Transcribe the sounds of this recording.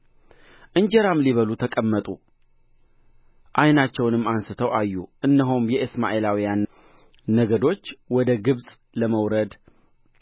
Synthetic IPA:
ʔɨɲd͡ʒɛɾamliβəlut̪ʰəkʼəmːət̪ʼu | ʔajnat͡ʃːɛwnɨmːansɨt̪ʰəwʔajːuʔɨnːəɦumjɛʔɨsma̰ʔelawijanː | əɡəd̪o̞t͡ʃːwɔd̪əɡɨβsʼ | ləməwɾəd̪

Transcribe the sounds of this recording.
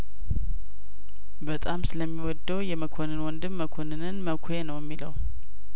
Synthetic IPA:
bət̪ʼamsɨləmːiwɔd̪ːəwjɛməkʰonɨnwɔnd̪ɨmːəkʰo̞nɨnɨnməkʷʰojenəwjəmːiləw

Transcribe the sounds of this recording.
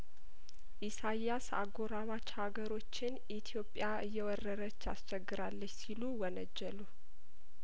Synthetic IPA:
ʔisajːasa̰ɡo̞ɾamat͡ʃːhaɡəɾo̞t͡ʃːɪn | it̪ʰijo̞pʼːjaʔɨjːɛwɔrːəɾət͡ʃːa̰st͡ʃɛɡːɨɾalːət͡ʃːsiluwɔnəd͡ʒːɛlu

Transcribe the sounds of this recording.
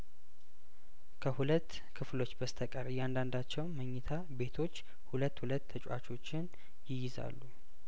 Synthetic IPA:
kʰəhulət̪ː | kʰɨflo̞t͡ʃːbəst̪ʰəkʼəɾjand̪and̪at͡ʃːɛwnməɲːɪt̪ʰa | be̞t̪ʰo̞t͡ʃː | hulət̪ːhulət̪ʰːət͡ʃʼwa̰t͡ʃʰʼo̞t͡ʃːɪn | jɪjɪza̰lːu

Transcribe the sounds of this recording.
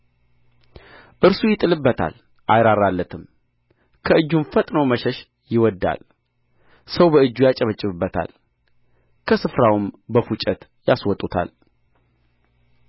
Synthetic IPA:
ʔɨɾsujɪt̪ʼːɨlɨbːət̪ʰa̰l | ʔajɾaɾːalːət̪ʰɨm | kʰəɨd͡ʒːunfət̪ʼnəwməʃɛʃ | jɪwɔd̪ːa̰l | səwbəɨd͡ʒːujat͡ʃʼəβət͡ʃʼɪɨβɨbːət̪ʰa̰l | kʰəsɨfɾawɨmbəfut͡ʃʼət̪ | jaswɔt̪ʼut̪ʰa̰l

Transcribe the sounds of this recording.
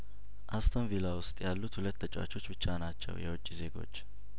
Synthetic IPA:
ʔast̪ʰonvilawʊst̪ʼjalːut̪hulət̪ːət͡ʃʼwa̰t͡ʃʰo̞t͡ʃːbɨt͡ʃːanat͡ʃːɛ̰wjɛwɔt͡ʃʼːize̞ɡo̞̰t͡ʃː

